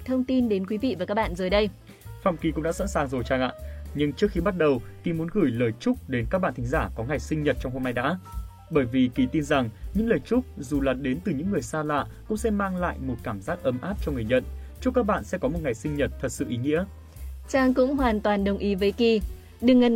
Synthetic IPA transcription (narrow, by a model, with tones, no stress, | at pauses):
t̪ʰə˧wŋ͡mt̪i˧nɗe˨˦nkwi˨˦vḭ˧˨vaː˨˩ka˦˥kɓa̰ː˧˨nzəː˨˩jɗə˧j | fa̰˧˨˩wŋ͡mki˧˩kʊ̰˧˥ŋ͡mɗa̰ː˧˥sa̰˧˥nsaː˨˩ŋzo˨˩jt͡ɕaː˧˩ŋʔa̰ː˧˨ɲɨ˧ŋt͡ɕɨ˦˥ək̚xi˧ɓa˦˥t̚ɗə˨˩wki˧mu˨˦ə˦nɣɨ˧˩jləː˨˩jt͡ɕʊ˦˥k͡p̚ɗe˨˦nkaː˦˥k̚ɓa̰˧˨nt̪ï˨˦ŋ̟zaː˧˩kɔ˨˦ŋa˨˩jsï˧ŋ̟ɲə˨˩t̚t͡ɕɔ˧wŋ͡mho˧mna˧jɗa̰ː˧˥ | ɓəː˧˩jvi˨˩ki˨˩t̪i˧nza˨˩ŋɲɨ̰˧˥ŋləː˨˩jt͡ɕʊ˦˥k͡p̚zu˨˩laː˨˩t̚ɗe˨˦nt̪ɨ˨˩ɲɨ̰˧˥ŋːɨ˨˩əjsaː˧la̰ː˧˨kʊ̰˧˥ŋ͡msɛ̰˧˥maː˧ŋla̰ː˧˨jmo˨˩t̚kaː˧˩mzaː˦˥k̚ʔə˨˦mʔaː˦˥p̚t͡ɕɔ˧ŋ͡mŋɨ˨˩əɲə̰˧˨nt͡ɕʊ˦˥kaː˦˥k̚ɓa̰ː˧˨nsɛ̰˧˥kɔ˨˦mo˨˩t̚ŋa˨˩jsï˧ŋ̟ɲə˨˩t̚t̪ʰə˨˩t̚sɨ̰˧˨ʔi˨˦ŋḭ˧˥ə | t͡ɕaː˧ŋkʊ̰˧˥ŋ͡mɦwaː˨˩nt̪waː˨˩nɗə˨˩wŋ͡mʔi˨˦vəː˨˦jki˧ | ɗɨ˨˩əŋə˨˩